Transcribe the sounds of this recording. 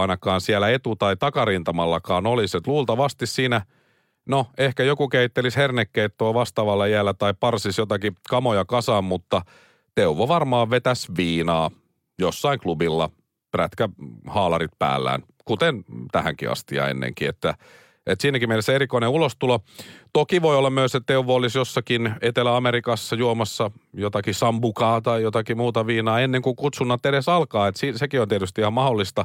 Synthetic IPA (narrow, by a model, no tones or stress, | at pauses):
ɑnɑkɑːnsiælæet̪ut̪ɑit̪ɑkɑrint̪ɑmɑlːɑkɑːnoliset̪luːlt̪ɑʋɑst̪issiːnæ | noehkæjokukeit̪ːelishernekːeit̪ːoːʋɑst̪ɑːʋɑlːɑjælːæt̪ɑipɑrsisjot̪ɑkikɑmojɑkɑsɑːmmut̪ːɑ | t̪euʋoʋɑrmɑːʋʋet̪æsʋiːnɑː | josːɑiŋklubilːɑ̰ | præt̪kæhɑːlɑrit̪̚pæ̰ːlːæ̰ːn | kut̪ent̪æhæ̰ŋkḭɑ̰st̪iɑ̰ːḛnːḛŋkiḛt̪ːæ | et̪siːnækimmeilseerikoineulost̪ulot̪okiʋoiolːɑmmyøsett̪euʋoolːisjosːɑkinet̪elæɑmeɾikɑsːɑjuomɑsːɑjot̪ɑkisɑmbukɑːt̪ɑijot̪ɑkimuːt̪ɑʋiːnɑːenːeŋkuŋkut̪sunːɑt̪ːeɾesɑlkɑːet̪siːsekiont̪iet̪yst̪iihɑmɑholːist̪ɑ